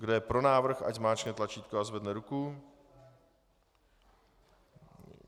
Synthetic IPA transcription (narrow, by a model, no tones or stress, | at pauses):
ɡdojɛpɾo̞naːvr̩xa̰cmaːt͡ʃnɛt̪lat͡ʃiːt̪̚koazvɛdnɛɾuku